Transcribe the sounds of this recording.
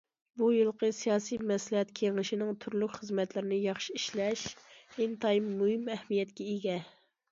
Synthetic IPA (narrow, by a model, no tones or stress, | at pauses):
bujilˠqʰəsijɑːsijmɛslɪɦɛt̪kʲʰeŋɪʃɪnɪŋt̪ʰyɾlykʲχəzmɛt̪lɪɾɪnɪjɑχʃiiʃlɛʃɪnt̪ʰɑjimːuɦɨmɛhmijɛt̪kʲɛeɡʲɛ